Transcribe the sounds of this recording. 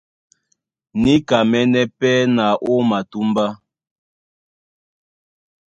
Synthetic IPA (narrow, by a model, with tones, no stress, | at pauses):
ni˦ka˨mɛ˦nɛ˦pɛ˦na˨ʔo˦ma˨tu˦mba˦